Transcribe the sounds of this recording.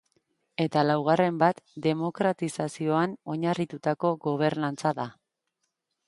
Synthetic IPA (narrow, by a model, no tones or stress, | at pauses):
e̞t̪alawɣ̞are̞mbat̪d̪e̞mo̞kɾat̪isasio̞ano̞ɲarit̪ut̪ako̞ɣo̞β̞e̞ɾnant͡saða